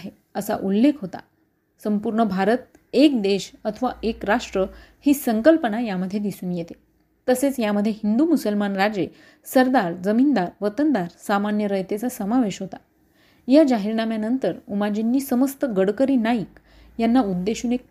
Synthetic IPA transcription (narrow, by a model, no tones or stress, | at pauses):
aɦe | əsa̰ʔulːekʰɦot̪a̰ | səmpuɾɳəbʱaɾət̪̚ | ek̚d̪eɕət̪ʰəʋaekɾaʂʈɾəhiːsəŋkəlpənajaməd̪ʱjed̪isuːnjet̪e̥ | t̪əset͡sjaməd̪ʱjeɦind̪umusəlmanɾad͡ze | səɾd̪aɾd͡zəmind̪aɾʋət̪ənd̪aɾsamanjəɾəjt̪et͡sasəmaʋeɕɦot̪a | jad͡ʑaɦiɾnamjanənt̪əɾumad͡ʑinːiːsəməst̪əɡəɽkəɾiːnaik | janːaud̪ːeɕuːnek̚